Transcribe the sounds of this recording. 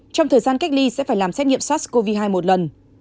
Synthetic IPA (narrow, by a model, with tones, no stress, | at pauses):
t͡ɕɔ˧wŋ͡mt̪ʰəː˨˩jzaː˧nka˦˥jk̚li˧sɛ̰˧˥faː˧˩jlaː˨˩msɛ˦˥t̚ŋḭ˧˨ə˨mswɔ˦˥sko˧vi˧ɦaː˧jmo˨˩t̚lə˨˩n